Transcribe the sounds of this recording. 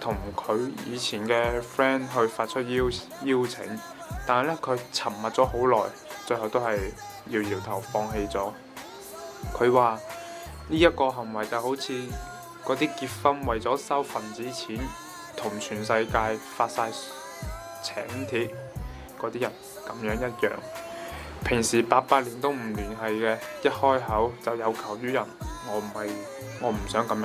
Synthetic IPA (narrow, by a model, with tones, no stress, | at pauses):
t̪ʰʊ˨˩ŋkʰɵ˨˧ɥjjḭː˨˧t͡sʰiː˨˩nkɛː˧fɛː˥nɦɵ˧ɥfaː˧t̚t͡ʃʰɵ˥t̚ji˥w | jiː˥wt͡sʰɪ̰˨˥ŋ | t̪aː˨nhɐ˨jlɛ˥kʰɵ˨˧ɥt͡sʰɐ˨˩mːɐ˨t̚t͡sɔː˨˥ɦo˨˥wlɔː˨˩j | t͡sɵ˧hɐ˨wt̪o˥wɦɐ˨j | jiː˧wjiː˨˩wt̪ʰɐ˨˩wfɔː˧ŋɦe˧jt͡sɔː˨˥ | kʰɵ˨˧ɥwaː˨ | liː˥jɐ˥t̚kɔː˧ɦɐ˨˩ŋwɐ˨˩jt͡sa˨˧who˨˥wt͡sʰiː˨˧ | kɔː˨˥t̪iː˥kiː˧t̚fɐ˥nwɐ˨jt͡sɔː˨˥sɐ˥wfɐ˨˩nt͡siː˨˥t͡sʰiː˨˥n | t̪ʰʊ˨˩ŋt͡ʃʰyː˨˩nsɐ˧jkaː˧jfaː˧t̚saː˧j | t͡sʰɛ̰ː˨˥ŋt̪ʰiː˧t̚ | kɔː˨˧˥t̪iː˥jɐ˨˩n | kɐ˨˥mjœː˨˥ŋjɐ˥t̚jœ̰ː˨ŋ | pʰɪ˨˩ŋsiː˨˩paː˧t̚paː˧t̚liː˨˩nt̪o˥wm̩˨˩lyː˨˩nɦɐ˨jkɛː˧jɐ˥t̚hɔː˥jɦɐ˨˥wt͡sɐ˨wjɐ˨˧wkʰɐ˨˩wjyː˥jɐ˨˩nŋɔː˨˧m̩˨˩hɐ˨j | ŋɔː˨˧m̩˨˩sœː˨˥ŋkɐ˨˧˥mj